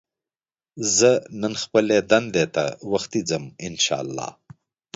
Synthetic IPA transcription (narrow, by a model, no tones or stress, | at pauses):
zənənxpəled̪and̪et̪a̰waxt̪id͡zəmɪnʃɑ̰ːlːɑ̰ː